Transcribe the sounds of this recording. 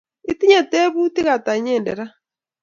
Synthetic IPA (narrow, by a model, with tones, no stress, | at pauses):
i˦ti˦ɲa˨tɛ˦βu˦ti˦ɣa˨ta˨˦ɲɛː˦˨ndɛ˨ɾa˦